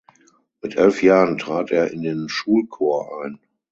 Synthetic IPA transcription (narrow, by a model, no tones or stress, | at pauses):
mɪtʔɛlfjaːʁəntʁ̥aːteːɐʔɪndeːnʃuːlkʰoːɐʔaɪn